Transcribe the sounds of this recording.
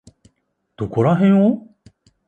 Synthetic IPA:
d̪̥okoɾaɦẽɰ̃o

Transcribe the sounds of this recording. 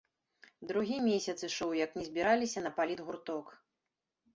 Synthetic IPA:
d̪ɾuɣʲimʲesʲɐt̪sɨʂɨwjɐknʲɛzʲbʲiɾalʲisʲɐnɐpalʲid̪ɣurt̪ɔk

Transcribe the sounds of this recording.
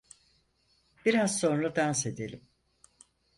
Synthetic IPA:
b̥iɾazso̞nɾad̪anse̞d̪elʲim

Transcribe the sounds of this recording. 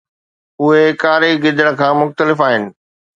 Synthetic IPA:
ʊɦekaːɾeɡɪd̪əɽ̃kʰãːmʊxt̪əlɪfaːɦɪnɪ̆

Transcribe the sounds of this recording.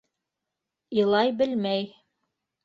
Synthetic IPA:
ilˠɑjbɘlmæj

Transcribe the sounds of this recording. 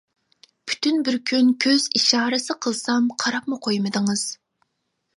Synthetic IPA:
pʰy̥t̪ʰynbɪɾkʲʰynkʲʰøz̥iʃɑːɾɨsɨqʰəlˠsɑmqʰɑɾɑpmʊqʰojmɨd̪ɨŋɨz̥

